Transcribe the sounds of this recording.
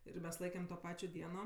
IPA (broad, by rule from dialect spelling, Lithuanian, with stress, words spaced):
ɪr ˈmʲɛs ˈlˠɐɪkʲɛm toː ˈpɑːt͡ʃʲoː ˈdʲiɛnoː